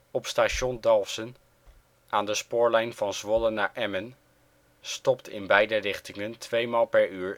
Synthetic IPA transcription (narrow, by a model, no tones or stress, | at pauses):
ɔpstaːʃɔndɑlˠfsən | ʔaːndəspʊːɹlɛjnvɑnzʋɔlənːaːɹʔɛmən | stɔptʰɪ̰nbɛjdərɪχtɪŋəntʰʋejmaːlˠpɛɹyːɹ